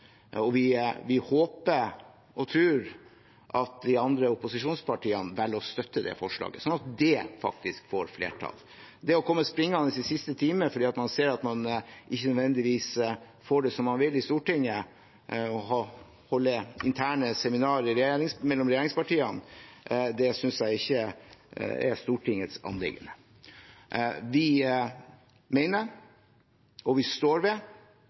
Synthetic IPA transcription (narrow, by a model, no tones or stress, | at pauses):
ɔʋɪʋɪhoːpə | ɔt̪ʰɾʉːɾ | ʔɑt̪̚d̪ɪɑnd̪ɾəʊpʊsɪʂuːnspʰɑʈʰiːənʋɛlːɔst̪œt̪ːəd̪ɛ̰fɔʂɭɑ̰ːɡəsɔnɑt̪̚d̪ɛfɑ̰k̚t̪ɪskfo̰ːɾflḛːʈʰɑ̰ːl | d̪ɛɔkʰɔmːəspɾɪŋːɑnəsɪsɪst̪ət̪ʰiːməəfɔɖiːɑt̪mɑnseːɾɑt̪mɑnʔɪçːənœd̪ʋɛnd̪ɪʋiːs | foːɖɛsɔmːɑnʋɪlːɪst̪uːʈɪŋːə | ɔhɑ | hɔlːəɪnt̪ʰæːɳəsɛmɪnɑːɾəɪɾɛjeɾɪŋsmɛlːɔmɾɛjeːɾɪŋspɑʈiːən | d̪ɛsʏnsjæɪɪçːə̰ | ɛ̰st̪uːʈʰɪŋːət̪sɑ̰nlɪ̰ɡə̰nə | ʋɪ | meɪnəɾ | ʔɔʋɪst̪oːɾʋɛ